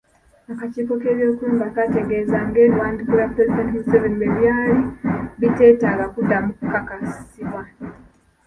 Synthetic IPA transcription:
akaciːko̞ke̞ːβjo̞ːkuːmbakate̞ɡe̞ːzaŋɡe̞ːlwaːndikulapuɾezidentimuseveniβeβjaːliβiteːtaːɡakudːamukukakasi̥siβwa

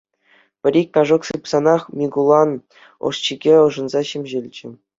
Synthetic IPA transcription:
pʲɘ̆ɾʲikʲkɑʐoksɯpsɑnɑχmʲiɡulˠɑn | o̰ʂt͡ɕiɡʲeɤ̆ʐɤ̆nzɑɕĕmʲʑelʲt͡ɕɘ̆

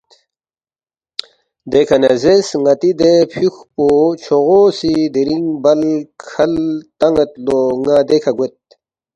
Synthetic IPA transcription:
d̪ekʰɐnezesŋɐt̪id̪epʰuxpot͡ɕʰoʁosid̪iɾiŋbɐlkʰɐlt̪ɐŋɡɐt̪loŋad̪ekʰɐɡwet̪̚

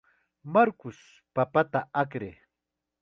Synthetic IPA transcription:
maɾkʊs | papat̪aakɾḛː

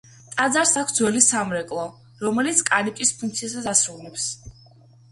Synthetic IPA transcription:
t̪ʼad̪zaɾsakʰsd̪zwɛlisamɾɛkʼlˠɔ | ɾɔmɛlit̪sʰkʼaɾikʼispʰuŋkʰt̪sʰiasasasɾulˠnɛps

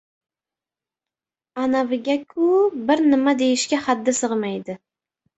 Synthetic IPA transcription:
anavɪɡʲakʲʰʊbɪɾnɪmad̪ejɪʃkʲahad̪ːɪsɨʁmajd̪ɪ

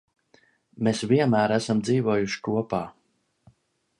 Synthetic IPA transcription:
mesviɛnmæːɾæsamd̪ziːvuɔjuʃkuɔpaː

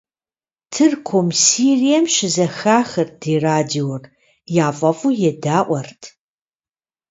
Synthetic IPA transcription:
tʰɨrkʷʰomsiːrijɐmʃɪzɐxaːxɨrd̥eːraːdior | jaːfʼɐfʼujɛdaːʔʷɔrtʰ

